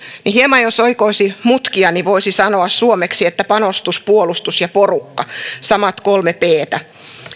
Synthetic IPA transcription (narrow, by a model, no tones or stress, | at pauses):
nihiemɑjosoikoisimut̪kiɑniʋoisisɑnoɑssuomeksiet̪ːæpɑnost̪uspuolust̪usjɑporukːɑsɑmɑt̪kolmepeːt̪æ